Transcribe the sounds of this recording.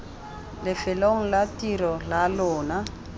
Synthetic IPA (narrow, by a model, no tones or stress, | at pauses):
lɪfɪloŋ̩latirɔlalʊːna